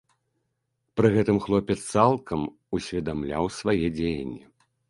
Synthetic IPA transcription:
pɾɨɣɛt̪ɨmxlˠɔpʲɛt̪st̪salˠkɐm | usʲvʲɛd̪amlʲa̰wsvajɛd͡zʲejɐ̰nʲːɛ

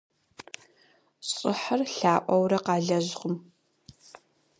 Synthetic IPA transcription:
ɕʼɪ̰ħərɬaːʔʷʼɐwɾɐqɑːɮɐʑʁəm

